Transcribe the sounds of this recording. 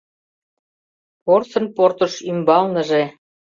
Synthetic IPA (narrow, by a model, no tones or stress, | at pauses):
porsɤ̆nport̪ə̆ʃymbɑlnə̆ʒe